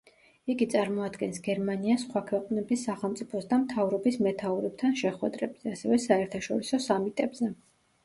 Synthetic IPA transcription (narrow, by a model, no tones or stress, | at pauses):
iɡit̪sʼaɾmɔad̪ɡɛnsɡɛɾmaniasχwakʰwɛqʼnɛbisːaχɛlˠmt̪sʼipʰɔsd̪amt̪ʰavɾɔbismɛt̪ʰauɾɛb̚t̪ʰanʃɛχwɛd̪ɾɛbz̥ɛasɛvɛsaɛɾt̪ʰaʃɔ̰ɾisɔsamit̪ʼɛbzɛ